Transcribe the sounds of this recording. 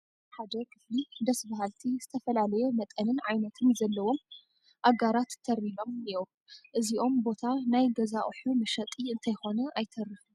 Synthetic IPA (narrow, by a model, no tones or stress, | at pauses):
ħad̪ɐkʰɨflid̪ɐsbaɦalt̪ʰizɨt̪ʰɐfɐlalɐjumɐt̪ʼɐnɨnʕajnɐt̪ʰɨnzɐlːɐwo̞m | ʔaɡaɾat̪ʰːɐɾilo̞mniom | ʔɨziʔo̞mbo̞t̪ʰanajɡɐzaʔħumɨʃɐt̪ʼiɨnt̪ʰɐjxo̞nɐʔajt̪ʰɐrɨfu